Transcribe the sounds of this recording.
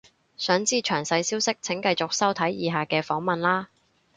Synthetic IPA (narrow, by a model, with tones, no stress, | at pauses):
sœː˨˥ŋt͡siː˥t͡ʃʰœː˨˩ŋsɐ˧jsiː˥wsɪ˥k̚t͡sʰɪ˨˥ŋkɐ˧jt͡sʊ˨k̚sɐ˥wt̪ʰɐ˨˥jjiː˨˧ɦaː˨kɛː˧fɔː˨˥ŋmɐ˨nlaː˥